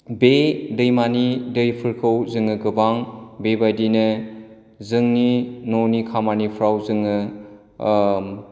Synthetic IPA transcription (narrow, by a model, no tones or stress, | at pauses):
bedɯjmanidɯjpʰɯɾkʰɯwzɯŋɯɡɯbaŋbebajdinɯ | zɯŋninonikʰamanipʰɾawzɯŋɯ